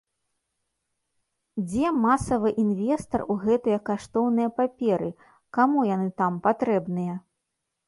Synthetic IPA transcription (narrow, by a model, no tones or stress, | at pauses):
d͡zʲɛmasɐvɨʔinvʲɛst̪ɐruɣɛt̪ɨjɐkːaʂt̪ɔwnɨjɐpapʲɛɾɨ | kamujanɨt̪ampat̪ɾɛbnɨjɐ